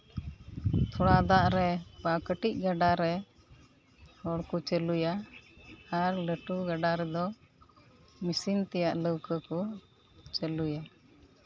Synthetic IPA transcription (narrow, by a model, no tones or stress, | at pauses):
t̪ʰɔɽad̪aʔɾɛbakəʈic̚ɡaɖaɾɛ | hɔɽkut͡ʃəlujaː | ɾləʈuɡaɖaɾɛd̪ɔ | misiŋt̪ɛjaʔləwkəkɔ | t͡ʃəluja